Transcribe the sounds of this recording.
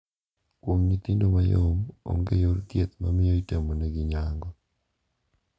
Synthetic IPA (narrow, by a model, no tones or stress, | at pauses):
kwoŋɲit̪indomajomo̰ŋɡejoɾkjet̪mamɪjoitemonɛɡɪɲaŋɡɔ